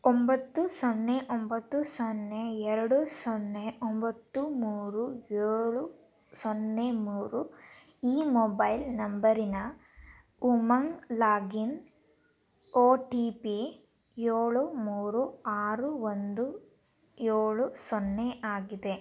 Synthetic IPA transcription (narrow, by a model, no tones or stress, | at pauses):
ombɐt̪ːusɔnːeʔombɐt̪ːusɔnːeɛɾɐɽusɔnːeombɐt̪ːumuːɾueːɭu | sɔnːemuːɾu | iːmɔːbɐjlnɐmbɐɾinɐ | umɐŋlaːɡin | oːʈiːpi | jeːɭumuːɾuaːɾuond̪u | jeːɭusɔnːeʔaːɡid̪e̞